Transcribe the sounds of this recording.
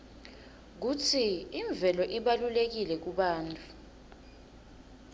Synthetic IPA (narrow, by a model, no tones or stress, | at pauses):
k̬utʰiːɱb̪vʱɛlɔʔiɓalulek̬ilɛk̬uɓaːntʼu